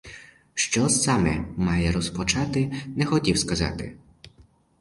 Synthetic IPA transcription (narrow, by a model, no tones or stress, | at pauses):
ʃt͡ʃɔsɑmɛ̰mɑjɛɾɔspɔt͡ʃɑt̪ɪnɛxɔtʲiwskɐzɑ̰t̪ɪ̰